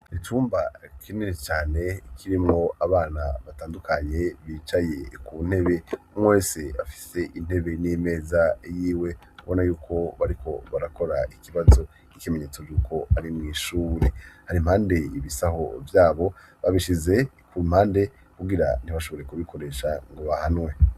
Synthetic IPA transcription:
ituːmbakʰinenit͡ʃaːne̞kʰiɾimŋo̞aβaːna̰βataːndukʰaɲe̞βit͡ʃaje̞kun̥he̞βe̞ | mweːseafi̥se̞ʔin̥he̞βe̞nime̞ːzajiːwe̞ | kuβonajuːkʰo̞βaɾikʰo̞βaɾako̞ɾaikiβazo̞ | ikime̞ɲeːt͡so̞vjuːkʰo̞aɾimŋiːʃuːɾehaɾimhaːnde̞iβisaho̞̰vjaːβo̞ | βaβiʃize̞ | kumhaːnde̞ | kuɡiɾa̰n̥iβaʃo̞βo̞ɾe̞kuβikʰo̞ɾe̞ːʃaŋɡo̞βahanwe̞

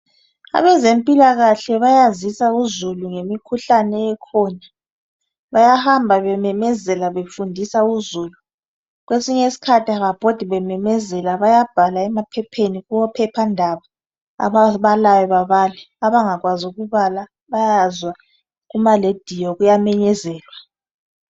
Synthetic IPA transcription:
a̰βɛzempʼilaɣaɬɛβajazisauzuluŋemikʰuɬanɛɛkʰɔna | βajahambʱaβɛmɛmɛzɛlaβefundʱisauzuːlu | ɣwesiɲesi̥kʰatʰiaɣab̥ʱod̥ʱiβɛmɛmɛzɛlaβajab̥ʱalaɛmapʰɛpʰeniɣuwɔpʰɛpʰandʱaβa | a̰βaβalawɛβaβaːlɛ | aβaŋaɣwazuɣuβala | βajazwa | ɣumaled̥ʱijɔɣujamɛɲɛzɛːlwa

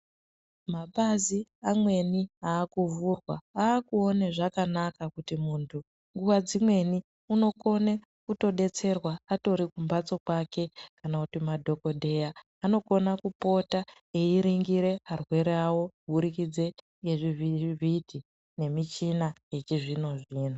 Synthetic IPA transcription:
maɓaziamwe̞niaːkuvurwaaːkuo̞neʐakanakakutimuntʰu | ŋɡuwad͡zimwe̞ni | uno̞ko̞ne̞ | kuto̞ɗe̞t͡se̞rwaːto̞ɾikumbat͡so̞kwake̞kanakutimadʱo̞ko̞dʱe̞jaː | no̞ko̞nakupo̞ta | eiɾiŋɡiɾe̞arwe̞ɾeawo̞bʱuɾikid͡ze̞ | ŋɡe̞ʐivivʱidʱi | ne̞mit͡ʃinaje̞t͡ʃiʐino̞ʐiːn̤u

